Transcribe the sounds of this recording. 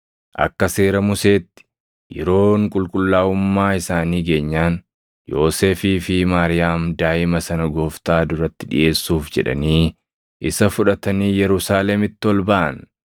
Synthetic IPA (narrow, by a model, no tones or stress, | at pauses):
ʔɐ̰kːɐse̞ːɾɐmʊse̞ːt̪ːɪ̥ | jɛ̰ɾo̞ːŋkʼʊlkʼʊlːaːʊmːaːɪsaːniːɡe̞ːɲːaːn | jo̞ːseːfiːfɪmaːɾɪjaːmd̪aːʔɪmɐsɐnɐɡo̞ːft̪aːd̪ʊɾɐt̪ːɪᶑɪ̰ʔe̞ːsːuːfd͡ʒɛ̰ᶑɐ̰niː | ʔɪsɐfʊᶑɐt̪ɐniːjɛɾʊsaːlɛmɪt̪ːɪɔlbɐʔɐ̰n